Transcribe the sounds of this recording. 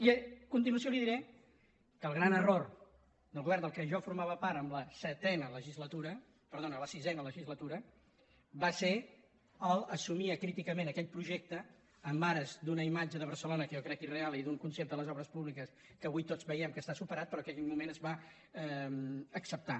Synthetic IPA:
iəkunt̪̬inuəs̬joliðiɾɛ | kəlˠɣ̞ɾanəror | d̪əlˠɣuβɛrnd̪əlˠkəʒɔfuɾmaβəpaɾəmləsət̪ɛnələʒizlət̪uɾə | pəɾðonələsizɛnələʒizlət̪uɾə | base | əlˠəsumiəkɾit̪ikəmẽnəkɛʎpɾuʒɛk̚t̪əː | mbaɾəzd̪unəimad͡ʒəðəβ̞əɾsəlonəkəjɔkɾɛkirealˠiðuŋkunsept̪ələzɔβɾəspuβlikəs | kəːβujt̪od͡zβəjɛmkəst̪asupəɾat̪̚pəɾɔkɛkɛʎmumenəzβa | əksəp̚t̪a

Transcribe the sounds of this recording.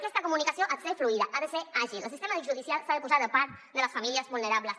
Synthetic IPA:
kest̪akomunikasjoʔat̪sefluiðaʔaðeseaʒilolsist̪emaðiʒuðisjalsaðepusaɾðepaɾt̪d̪elasfamiljazβulneɾaβlas

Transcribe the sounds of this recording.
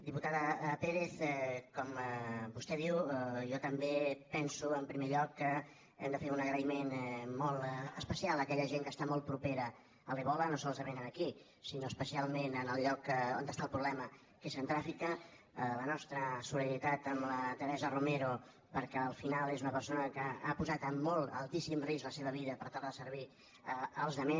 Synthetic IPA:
d̪iput̪aðəpeɾeθɛkɔməbust̪ɛðiwjɔt̪əmbepɛnsuəmpɾimeʎɔkːə | ɛmd̪əfeɾunəɣɾəimenmɔlˠəspəsialˠəkɛʎəʒeŋkəst̪amɔlˠt̪̚pɾupeɾə | əleβɔlənosɔlˠzəβenənəki | sinoəspəsialˠmenənəlʎɔkəo̰nd̪əst̪aəlˠpɾuβlɛmə | kezənt̪ɾafikə | lənɔst̪ɾəsulənit̪at̪əmlət̪əɾɛzərumeɾu | pəɾkɛəlˠfinalˠezunəpəɾsonəkəapuzat̪əmːɔlˠt̪ə̰lˠt̪isimrizləseβəβiðəpəɾt̪alˠðəsəɾβ̞i | əəlˠzðəme

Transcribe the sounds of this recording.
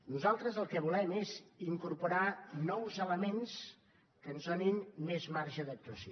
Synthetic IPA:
nuzalˠt̪ɾəzəlˠkəβulɛmeziŋkuɾpuɾanɔwzələmens | kənzðoninmezmaɾʒəðək̚t̪uəsjo

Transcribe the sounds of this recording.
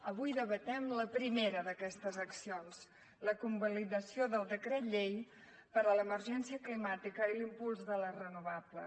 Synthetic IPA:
əβujðəβət̪ɛmləpɾimeɾəðəkɛst̪əzəksions | ləkumbəliðəsioðəlˠd̪əkɾɛt̪ʎej | pəɾələmərʒɛnsiəklimat̪ikəilimpulˠzðələrənuβablə̰

